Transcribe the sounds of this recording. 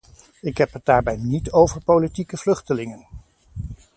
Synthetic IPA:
ɪkɦɛpɦət̚daːɹbɛjnitowvəɹpowlitikəvlɵχtəlɪŋən

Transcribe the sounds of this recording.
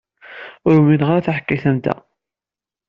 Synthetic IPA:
ʊɾuminəʁɾæθaħəkːaθænd̪æ̰

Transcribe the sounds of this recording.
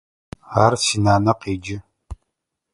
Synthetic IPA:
aːrsiːnaːnɐqeːd͡ʒɪ

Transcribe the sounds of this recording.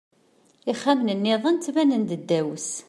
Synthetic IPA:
iχːæmnənːɪðˤənt͡s̪ːvænənd̪əd̪ːæwəs

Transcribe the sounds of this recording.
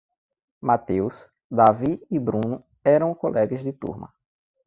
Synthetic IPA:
mat̪ews | d̪aviibɾũnʊ | ɛɾɐ̃w̃kolʔɛɡɐzd̪ɪt̪ṵɾmɐ̰

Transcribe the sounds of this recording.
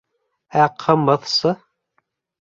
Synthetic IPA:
æqʰɤ̆mɤðsɤ

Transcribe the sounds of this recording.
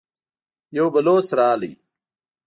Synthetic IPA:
jowbɐloːt͡sɾaːlḭ

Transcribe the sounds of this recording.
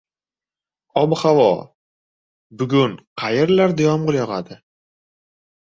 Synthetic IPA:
ɒbhavɒ̰ | bʊɡʊnqʰɑjɪɾlaɾd̪ojɒmʁʊlˠjɒʁad̪ɪ

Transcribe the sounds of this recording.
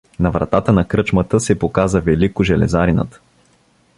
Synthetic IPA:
nɐvɾɐ̰t̪at̪ənɐkɾɤt͡ʃmət̪əsɛpokazəvɛlikʊʒɛlɛ̰zaɾinə̰t̪

